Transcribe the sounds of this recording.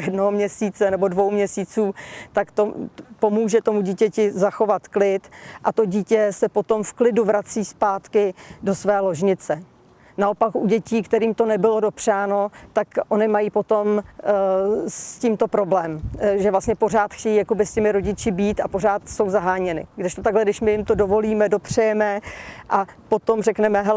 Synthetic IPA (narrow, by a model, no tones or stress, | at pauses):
jɛdnoɦomɲɛsiːt͡sɛnɛbo̞dvo̞wmɲɛsiːt͡suːt̪akt̪opo̞muːʒɛt̪o̞muɟiːcɛcɪzaxo̞vat̪klɪt̪ʔat̪o̞ɟiːcɛsɛpo̞t̪o̞mfklɪduvɾat͡siːspaːt̪kɪdo̞svɛːlo̞ʒɲɪt͡sɛ | naʔopakʔuɟɛciːkt̪ɛɾiːmt̪o̞nɛbɪlo̞do̞pr̝̥aːno̞t̪akʔo̞nɪmajiːpo̞t̪o̞m | sciːmt̪o̞pɾo̞blɛːmʒɛvlastɲɛpo̞r̝aːt̪xcɛjiːjako̞bɪscɛmɪɾo̞ɟɪt͡ʃɪbiːt̪apo̞r̝aːt̪so̞wzaɦaːɲɛnɪ̰ɡdɪʃt̪ot̪aɡlɛdɪʃmɪjɪmt̪o̞do̞vo̞liːmɛdo̞pr̝̥ɛjɛmɛʔapo̞t̪o̞mrɛknɛmɛɦɛl